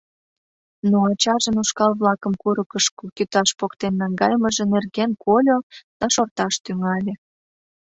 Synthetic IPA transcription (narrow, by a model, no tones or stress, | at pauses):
noɑt͡ɕɑʒənuʃkɑlβlɑkə̆mkuɾəkəʃkokyt̪ɑʃpokt̪enːɑŋɡɑjmə̆ʒĕnerɣenkʰolʲod̪̥ɑʃort̪ɑʃt̪yŋɑlʲĕ